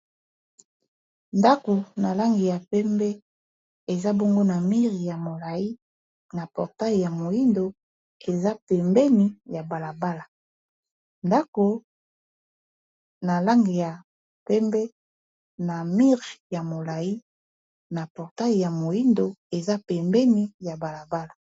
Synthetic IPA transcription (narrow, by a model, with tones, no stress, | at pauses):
nda˦ko˨na˨la˦ŋɡi˨ja˨pɛ˦mbɛ˦ | e˨za˦bɔ˦ŋɡo˦na˨mi˦ʁi˨ja˨mo˨la˨ji˦ | na˨pɔ˨ʁta˦i˨ja˨mo˨ji˦ndo˦ | e˨za˦pɛ˨mbɛ˦ni˦ja˨ba˨la˨ba˦la˨ | nda˦ko˨ | na˨la˦ŋɡi˨ja˨ | pɛ˦mbɛ˦ | na˨mi˦ʁi˨ja˨mo˨la˨ji˦ | na˨pɔ˨ʁta˦i˨ja˨mo˨ji˦ndo˨e˨za˦pɛ˨mbɛ˦ni˦ja˨ba˨la˨ba˦la˨